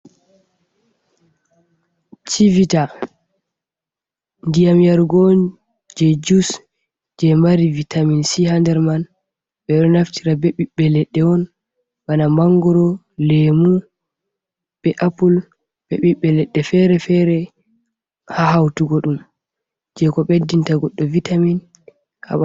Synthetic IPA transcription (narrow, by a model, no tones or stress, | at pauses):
t͡ʃivita | ndijamijaɾɡɔn | d͡ʒɛd͡ʒus | d͡ʒɛmaɾivitaminsihandɛɾman | ɓɛɗɔnaftʰiɾabɛɓiɓːɛlɛɗːɛɔn | ɓanamaŋɡɔɾɔ | lemu | ɓɛʔapul | bɛɓiɓːɛlɛɗːɛfɛɾɛfɛɾɛ | hahawtuɡɔɗum | d͡ʒɛkɔɓedːintaɡɔɗːɔvitamin | ka̰ɓa